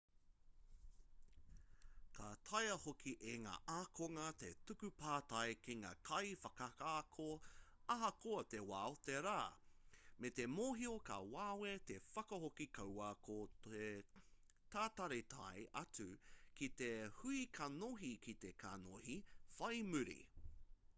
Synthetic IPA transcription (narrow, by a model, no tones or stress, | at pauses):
kʰatʰɐjɐhokʰiʔeŋa̰ːʔaːkʰoŋɐt̪ḛtukʉpaːtɐjkiŋa̰ːkʰɐjfɐkɐkaːkʰo | ɐɦɐkoɐtewaːoteɾaː | met̪emoːɦiokɐ̰waːwet̪efɐkɐhokikʰɐwɐkʰoe | t̪aːtɐɾetʰa̰jʔɐt͡sʉkit̪ehuikʰɐnoɦikʰit̪ekʰano̰hifɐjmʉɾḭ